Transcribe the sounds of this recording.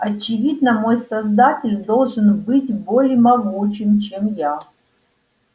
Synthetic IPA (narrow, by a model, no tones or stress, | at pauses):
ɐt͡ɕɪvʲid̪nəmo̞jsɐzd̪atʲɪlʲd̪o̞lˠʐɨnbɨtʲbo̞lʲɪəmɐɡut͡ɕɪmt͡ɕemja